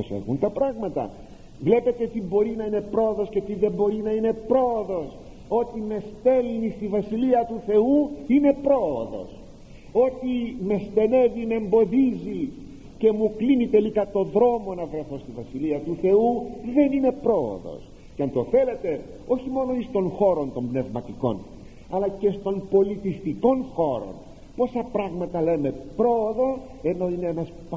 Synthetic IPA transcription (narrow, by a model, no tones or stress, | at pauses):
osḛɣunt̪ɐpɾɐɣmɐt̪ɐ̰ | vle̞pe̞t̪e̞ot̪ibo̞ɾinɐine̞pɾo̞oðo̞sce̞ot̪iðe̞mbo̞ɾinɐine̞pɾo̞oðo̞s | o̞t̪ime̞st̪e̞lnist̪ivɐsiliɐt̪uθe̞uine̞pɾo̞ːðo̞̰s | o̞t̪ime̞st̪e̞ne̞vimembo̞ðizi | ce̞muklinit̪e̞likɐt̪o̞ðɾo̞mo̞nɐvɾeθo̞st̪ivɐsiliɐt̪uθe̞uðe̞nine̞pɾo̞o̰ðo̰s | ceɐnt̪o̞θe̞le̞t̪e̞ | o̞çimo̞no̞ist̪o̞ŋxo̞ɾo̞nt̪o̞mbne̞vmɐt̪iko̞̰n | ɐlɐce̞st̪o̞mpo̞lit̪ist̪iko̞nxo̞ɾo̰n | po̞sɐpɾɐɣmɐt̪ɐle̞me̞pɾo̞ːðo̞ | e̞no̞ineenɐsp